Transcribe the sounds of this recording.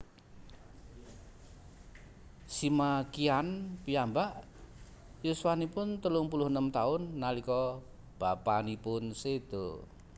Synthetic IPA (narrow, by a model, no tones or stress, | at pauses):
simakianpiambaʔ | juswanipʊnt̪əlʊŋpulʊɦənəmt̪aʊnːalikɔ | b̥apanipʊnsed̪̥o̰